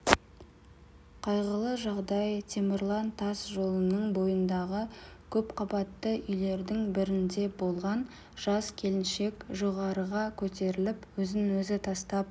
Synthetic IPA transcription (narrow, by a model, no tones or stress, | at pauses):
qʰɑjʁəlˠəʒɑʁd̪ɑjt̪ʰemɪrlˠɑnt̪ʰɑsʒo̞lˠənəɴbo̞jənd̪ɑʁəkʲʰɵpqʰɑbɑt̪ːəʔʏjle̞ɾd̪ɪŋbɪɾɪnd̪e̞bo̞lˠʁɑn | ʒ̥ɑskʲʰe̞lɪnʃe̞kʒo̞ʁɑɾəʁɑkʲʰɵt̪e̞ɾɪlɪpwɵzɪŋwɵzɪt̪ʰɑst̪ɑp̚